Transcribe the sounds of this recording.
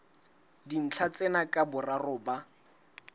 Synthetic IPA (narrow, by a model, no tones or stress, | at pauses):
din̩t͡ɬʰat͡sɛnakʼabʊrarʊːba